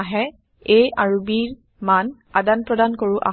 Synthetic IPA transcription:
aɦɛ | ejaɹubiɹ | man | adanpɹɔdankoɹʊʔa̰

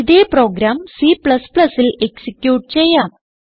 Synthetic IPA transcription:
iðeːpro̞ːɡɾaːmsipɭɐspɭɐsileksikjuːʈːɨt͡ɕe̞jːaːm

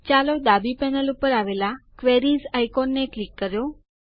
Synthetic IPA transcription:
t͡ʃalod̪abipɛnəlupəɾaʋelakʋeɾizajkonːeklikːəɾjo

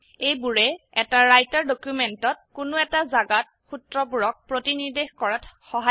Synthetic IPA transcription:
ejbuɹɛɛtaɹajtaɹdokjumɛntɔt̚kʊnʊɛtazaɡat̚ | xutɹɔp̬uɹɔk̚pɹotinidexkɔɹatxɔɦa

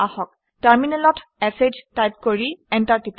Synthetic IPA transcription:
ahɔk̚ | taɹminɛlɔtɛsed͡ʒtajp̚koɹiɛntaɹtip

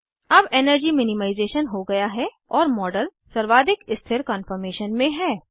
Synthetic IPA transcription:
ɐbɛːnəɾd͡ʒimɪnɪmaːɪzeːʃənɦoɡɐjaɦɛ | ɔːɾmɔːɖəlsɐɾʋaːd̪ɪkɪst̪ʰɪɾkə̃nfəɾmeːʃənmẽɦɛː

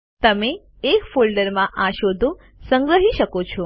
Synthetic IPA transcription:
t̪əme | ekfolɖəɾmãʔãʃod̪ʱo | səŋɡɾəɦiʃəkot͡ʃʰɔ

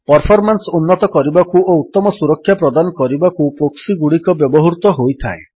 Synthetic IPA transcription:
pɔɾpʰɔɾmansɔunːɔt̪ɔkɔɾibakuout̪ːɔmɔsuɾɔkʰːjapɾɔd̪anɔkɔɾibakupɾoksiɡuɽikɔbjɔbɔɦɔɾut̪ɔɦojt̪ʰa̰e

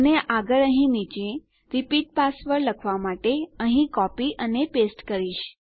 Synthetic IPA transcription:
əneʔaɡəɭəɦĩnit͡ʃẽ | ɾipiʈ̚pasʋəɾləkʰʋamaʈeəɦĩkɔpiʔənepesʈkəɾiʃ

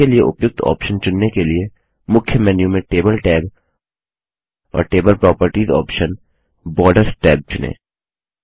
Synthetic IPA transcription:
elieʔʊ̰pjʊk̚t̪ʰɔ̰ːpʃənt͡ʃʊnːekelie | mʊkʰjəmɛːnjũmẽʈeːbəlʈɛːb | ɔ̰ːɾʈeːbəlpɾɔːpəɾʈiːzɔ̰ːpʃən | bɔːɾɖəɾsʈɛːb̚t͡ʃʊnḛ̃ː

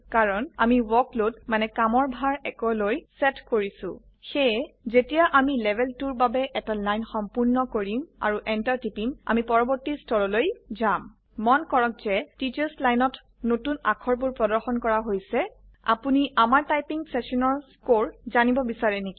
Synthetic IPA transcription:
kaɹɔna̰miwɔklotmanɛkamɔɹbʱaɹɛkɔlojsɛtkoɹisʊ̰̃ | xɛjzetijaʔamilɛbʱɛltuɹbabɛʔɛtalajnxɔmpuɹnɔkoɹima̰ɹuʔɛntaɹtipima̰mipɔɹɔbɔɹtistɔɹɔlojzamː | ɔnkɔɹɔk̚zɛtit͡ʃaɹslajnɔt | notuna̰kʰɔɹp̬uɹpɹɔdɔɹxɔnkɔɹaɦojsɛ | a̰puniamaɹtajpiŋsɛsɔnɔɹskoɹzanibɔbisaɹɛneki

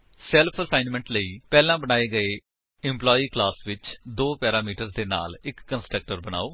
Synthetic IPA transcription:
sɛlpʰəsaːɪnmə̃ɳʈləiːpɛːlãːbənaːeːɡəeː | ɪ̃mplɔːiːklaːsʋɪt͡ʃd̪oːpɛːɾaːmiːʈəɾzd̪eːna̰ːlɪkːənsʈɾək̚ʈəɾbəna̰ːoː

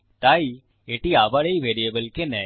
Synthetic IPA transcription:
ʈ̪aːi | eʈiaːbaɽeiʋeːɾiebəlkenɛ

